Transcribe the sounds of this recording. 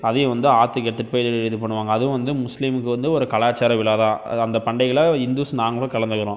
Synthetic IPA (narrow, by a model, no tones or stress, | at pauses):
ɐðɐjʊ̃ʋɐnd̪ɯaːt̪ːɯkɛʈ̪ːɯʈ̚pɐjɪðɪɪðɯpɐɳːɯʋaːŋɡɐːðɯ̃ʋɐnd̪ɯmʊslimɯkːɯʋɐnd̪ɯɔɾɯkɐɭaːt͡ʃːaːɾɐʋɪɭaːðãːɐnd̪ɐpɐɳɖɐɪɣɐɭɐɪnd̪uːsnaːŋɡɐɭɐkɐɭɐnd̪ɯɣɪɾõː